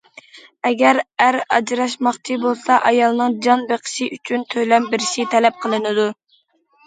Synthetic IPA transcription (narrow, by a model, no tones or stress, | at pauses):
ɛɡʲæɾæɾɑ̰d͡ʒɾɑʃmɑχt͡ʃʰibolˠsɑʔɑjɑlˠnɨŋd͡ʒɑnbeqʰə̥ʃɪʔyt͡ʃʰynt̪ʰøjlɛmbɪɾɪʃit̪ʰɛlɛp̚qʰəlˠɨnɨd̪u